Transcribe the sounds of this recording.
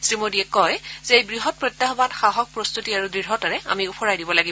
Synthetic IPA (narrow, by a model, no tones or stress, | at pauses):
sɹimodiɛkɔjzɛejbɹiɦɔt̚pɹɔt̪jaɦɔbatxaɦɔk̚pɹost̪utiaɹudɹiɹɦɔtaɹɛa̰miʊpʰɔɹajdibɔlaɡib